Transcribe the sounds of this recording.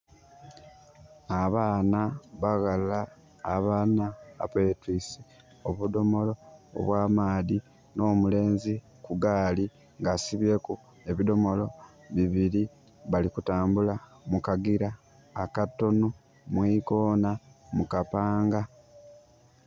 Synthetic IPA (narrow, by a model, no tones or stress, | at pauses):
aβaːnaβaɣalaː | βaːnaa̰petwisi | oβudo̞mo̞lo̞̰ːβwaːmaːði | no̞ːmule̞ːnzi | kuɡaːli | ŋɡasiβje̞ku | e̞βido̞mo̞lo̞ | βiβiɾi | βalikutaːmbula | mukaɡiɾaː | katːo̞nu | mwiko̞ːnamukapaːŋɡa